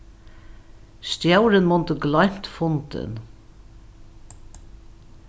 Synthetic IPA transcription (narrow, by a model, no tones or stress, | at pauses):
st̪jawɾɪnmʊnt̪əɡlɔjm̥t̪fʊnt̪ɪ̰n